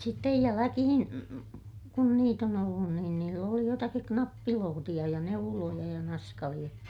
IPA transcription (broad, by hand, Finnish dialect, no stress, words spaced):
sitːej jælækihin kun niːt on olːun niːn niːlː oli jotɑkik knɑpːiloːtij̆ɑ jɑ neulojɑ jɑ nɑskɑlij̆ɑ